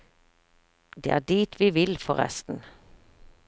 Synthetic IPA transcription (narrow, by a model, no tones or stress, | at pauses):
d̪ḛːæːɖ̪iːt̪ʰʋiːʋɪlfɔʁɛ̰st̪n̩